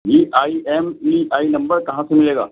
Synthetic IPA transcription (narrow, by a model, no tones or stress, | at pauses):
iːʔaːiʔɛːmiaːinɐ̃mbəɾkɐɦãsemɪleːɡa̰ː